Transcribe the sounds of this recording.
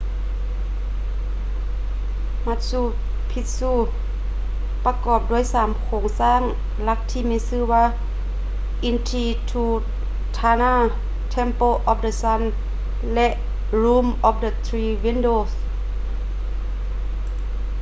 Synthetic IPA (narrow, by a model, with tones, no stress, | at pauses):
ma˧t̪̚suː˧˩t̪̚ | pʰi˧˥t̪̚suː˧˩t | pa˧kɔː˨˩p̚du˧ə˨jsaː˨˦mkʰoː˨˧˦ŋsaː˧˥˨ŋ | la˧k̚t̪ʰiː˧˨mɛ˧˥sɯː˧˥˨waː˧˥˨ | ʔi˧nt̪ʰiː˧t̪ʰuː˧˩t̪ | t̪ʰːaː˧naː˧˥˨ | t̪ʰɛ˧˥˨mpoː˧ʔɔː˧p̚də˧sa˧˥n | lɛ˧ʔ | ɾuː˧˥˨mʔɔː˧˩p̚də˧t̪ʰɾiː˧wi˧˥˨ndoː˧˨s